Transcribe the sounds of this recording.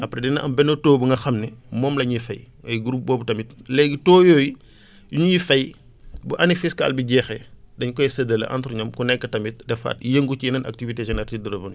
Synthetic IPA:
ɐpɾɛdinɐʔɐ̰mbɛnːotoːbuŋɡɐxɐmnɛmɔːmlɐɲifɐj | ɐjɡɾup̚bɔːbutɐmitlɛɡitɔːjɔːji | juɲuɲifɐj | buʔɐnifiska̰lbiɟɛːxɛdɐɲkɔjsɐdɐlɐ̰ʔa̰ntɾuɲɔmkunɛkːɐtɐmit̚dɛfa̰t̚jəŋɡut͡ʃinɐnɐ̰k̚tiviteʒɛnɛɾtidɐɾɐbɐn

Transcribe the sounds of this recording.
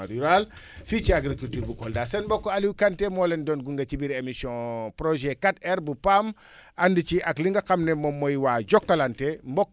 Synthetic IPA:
ɾiɾal | fit͡ʃiaɡɾikultuɾbukɔldaːsɛnbɔkːoaliwkantemɔlendɔnɡuŋɡat͡ʃibiɾemisiɔ̃pɾoʒɛkatɛɾbupam | ʔandit͡ʃiʔakliŋɡakamnemomːojwaɟokːalantembɔkː

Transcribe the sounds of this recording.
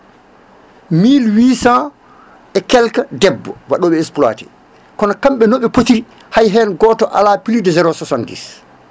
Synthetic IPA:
miːlwiːsa | ʔɛkɛlkadɛbːɔwaɗɔɓɛɛspla̰ːtɛ | kɔnakamɓɛnoɓɛpotiɾi | hajɦɛnɡɔːtɔʔa̰lapilidɛzɛɾɔsɔsandḭs

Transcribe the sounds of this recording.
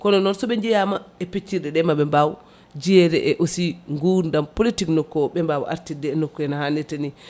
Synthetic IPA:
kɔnɔnɔnsɔɓɛɲd͡ʒɛjamaɛpet͡ʃːiɗɛɗɛmaɓɛmbaw | d͡ʒiɛɾɛʔɛʔosiŋɡuɾndampolitiknɔkːɔɓɛmbawʔa̰ɾtidɛːnokːɔɛnahanɛtani

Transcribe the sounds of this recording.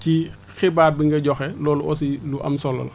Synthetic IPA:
ti | xɛbaːt̚biŋɡɐɟɔxɛlɔːluɔsiluʔɐ̰msɔlːɐ̰l

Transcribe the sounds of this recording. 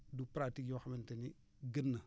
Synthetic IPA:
dupɾatikjoxamentəni | ɡənːa

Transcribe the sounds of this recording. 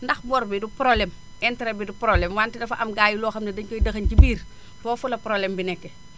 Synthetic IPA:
ndɐxbɔɾbidupɾɔblɛm | ɛntɛɾɛbidupɾɔblɛmwaːntɛdɐfɐʔɐmɡaːjulɔːxɐmnɛdɐɲkɔjdɐxɐncibiːr | tɔːfulɐpɾɔblɛmbinɛkːɛ

